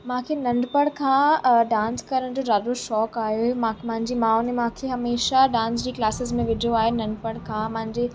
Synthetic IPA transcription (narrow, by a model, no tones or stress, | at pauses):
mãːkʰenɐ̃ɳɖpəɽ̃kʰãːɖãːnskɐɾəɽ̃d͡ʑoːzaːd̪oʃɔːkaːɦijomãmãɦɪ̃ɲd͡ʑimãːʊnẽmãːkʰeɦɐmeːʃaɖãːnsd͡ʑiːklaːsɪzmẽʋɪɖʱijoaːɦenɐ̃ɳɖpəɽ̃kʰãːmãɦɪ̃ɲd͡ʑe